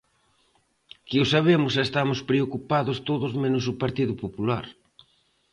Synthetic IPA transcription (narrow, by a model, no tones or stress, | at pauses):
kɪʊsaβ̞emʊs̬est̪amʊspɾeokupaðʊst̪oðʊzmenʊsʊpaɾt̪iðʊpopulaɾ